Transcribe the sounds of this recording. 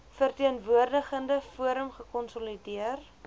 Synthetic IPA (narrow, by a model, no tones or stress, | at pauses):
fərtiənvuərdəχəndəfuəɾəmχəkɔnsɔlidiər